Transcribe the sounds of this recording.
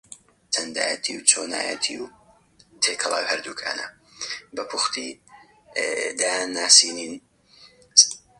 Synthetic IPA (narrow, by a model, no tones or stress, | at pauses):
tʰɐnd̪a̰ːjɛt̪ʰiwt͡ʃʰoːna̰ːjə̰t̪ʰiw | t̪ʰeːkʰɐlˠa̰ːwhɐɾd̪uːkʰa̰ːnɐ̰ | bɐpʰʊxt̪ʰi | d̪aːjanːaːsiːnin